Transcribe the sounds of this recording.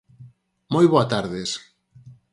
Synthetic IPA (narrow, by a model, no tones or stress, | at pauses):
mojβoat̪aɾðes